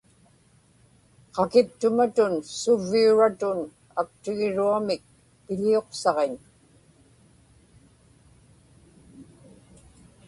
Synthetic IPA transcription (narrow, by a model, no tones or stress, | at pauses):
qɑkɪp̚t̪ʊmat̪ʊnsʊvːiuɻat̪ʊn | ak̚t̪ɪɣɪɻuamɪk̚ | pɪʎioqsɑʁeɲ